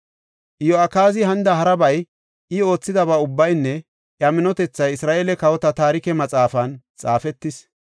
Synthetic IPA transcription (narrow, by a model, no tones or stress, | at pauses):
ʔjoɐkaːzɪhɐnd̪ɐɦɐɾɐbɐj | ʔɪo̞ːt͡sːɪd̪ɐβɐʊbːɐjnːɛ | ʔjɐmɪnɔt̪ɛt͡sːɐjɪsɾaːʔeːlɛkɐwɔt̪ɐt̪aːɾɪkɛmɐt͡sʼaːfɐnt͡sʼaːfɛt̪ːɪs